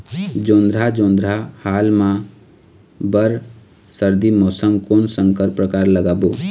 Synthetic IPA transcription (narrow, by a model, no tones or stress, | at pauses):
d͡ʒõːnd̪ɾad͡ʒõːnd̪ɾahaːlmã | bəɾ | səɾd̪imoːsəŋkoːnsə̃ŋkəɾpɾəkaːɾləɡaːbo